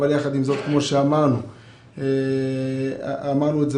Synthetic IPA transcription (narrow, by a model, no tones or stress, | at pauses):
aljaχad̪imzo̞t̪kmo̞ʃeamaʁnu | e | amaʁnuetze